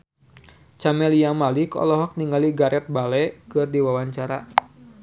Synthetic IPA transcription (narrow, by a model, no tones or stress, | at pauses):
t͡ʃamɛlijaŋmalikɔ̰lɔɦɔk̚niŋɡaliɡaɾɛt̪̚balɛkɨrdiwawaɲt͡ʃaɾa